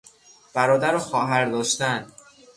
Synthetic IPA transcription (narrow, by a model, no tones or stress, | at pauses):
b̥æɾɒːd̪æɾɒxɒːɦæɾd̪ɒːʃt̪æn